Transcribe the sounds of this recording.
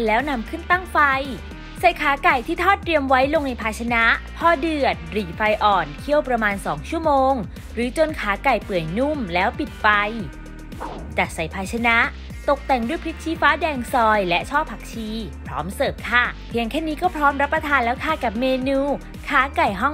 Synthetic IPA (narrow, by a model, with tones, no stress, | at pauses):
lɛː˦˥wna˧mkʰɯ˥˩nt̪a˥˩ŋfa˧j | sa˨˩jkʰaː˩˦ka˨˩jt̪ʰiː˥˩t̪ʰɔː˥˩t̪̚ːɾi˧əmwa˦˥jlo˧ŋna˧jpʰaː˧t͡ɕʰa˧na˦˥pʰɔː˥˩dɯ˨˩ə˩t̪̚ɾiː˨˩fa˧jʔɔː˨˩nkʰi˥˩əwpɾa˧maː˧nsɔː˩˦ŋt͡ɕʰu˥˩əmoː˧ŋ | ɾɯː˨˩˦t͡ɕo˧nkʰaː˩˦ka˨˩jpɯ˨˩əjnu˥˩mlɛː˦˥wpi˨˩t̪̚fa˧j | t͡ɕa˨˩t̪̚sa˨˩jpʰaː˧jt͡ɕʰa˧na˦˥ʔ | t̪o˨˩k̚t̪ɛ˨˩ŋdu˥˩jpʰɾi˦˥k̪̚t͡ɕʰiː˧faː˦˥dɛː˧ŋsɔː˧jlɛ˦˥ʔt͡ɕʰɔː˥˩pʰːa˨˩k̚t͡ɕʰiː˧pʰɾɔː˦˥msɤː˨˩p̚kʰaː˥˩pʰi˧əŋkʰɛː˥˩niː˦˥kɔː˥˩pʰɾɔː˦˥mɾa˦˥pːɾa˧t̪ʰaː˧nlɛː˦˥wkʰaː˥˩ka˨˩p̚meː˧nuː˧ | kʰaː˨˩˦ka˨˩jɦɔ˥˩ŋ